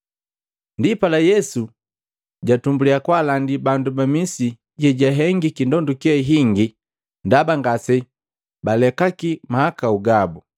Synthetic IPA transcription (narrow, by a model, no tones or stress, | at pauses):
ndipalajɛsu | ɟatumbuliakwalandibandubamisi | ɟɛɟaɦɛŋɡikindɔndukiaiɦiŋɡi | ndabaŋɡasɛ | balɛkakimahakauɡabu